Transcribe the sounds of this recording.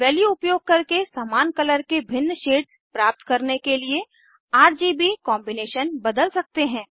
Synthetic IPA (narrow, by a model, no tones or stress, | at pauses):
ʋɛːljuʊpjoːɡ̚kɐɾkesaːmaːnkɐləɾkebʱɪnːʃeːʈs | pɾaːp̚t̪kɐɾnekelie | aːɾd͡ʒiːbikɔ̃ːmbɪneːʃənbɐd̪əlsɐk̚t̪eɦɛ̃ː